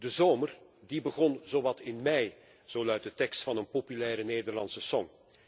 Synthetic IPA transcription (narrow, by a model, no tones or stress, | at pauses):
dəzoːmərdibəɣɔnzoʋɑtɪnmɛj | z̥oːlœɥt̚dətɛkstfɑnənpopylɛːɾəneːdərlɑ̰nsəsɔŋ